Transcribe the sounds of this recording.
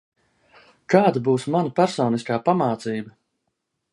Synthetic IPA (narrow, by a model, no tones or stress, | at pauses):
kaːd̪abuːsmanapæɾsɔːniskaːpamaːt̪siːbɐ